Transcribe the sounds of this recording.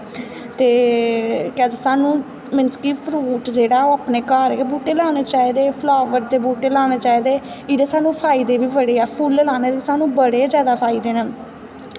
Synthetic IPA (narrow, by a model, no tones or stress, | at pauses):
t̪eː | kɛːd̪eːsaːnũː | mɪnskiːpʰɾuːʈd͡ʒeːɽaːoːapneːkaːɾeːebuːʈeːlaːneːt͡ʃaːiːd̪eːpʰlaːʋəɾd̪eːbuːʈeːlaːneːt͡ʃaːiːd̪eː | iːɖeːsaːnũːpʰaːiːd̪eːbiːbəɽeːɛːpʰʊllaːneːt̪esaːnũːbəɽeːzjaːd̪aːpʰaːiːd̪eːne